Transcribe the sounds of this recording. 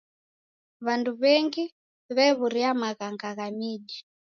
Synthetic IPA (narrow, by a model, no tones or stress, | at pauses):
βanduβɛŋɡi | βɛβuɾiamaɣaŋɡaɣamiːɗi